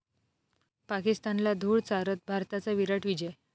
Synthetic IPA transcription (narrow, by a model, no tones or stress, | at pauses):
pakist̪anlad̪ʱuːɭt͡saɾət̪̚bʱaɾt̪at͡saʋiɾaʈʋid͡ʑəj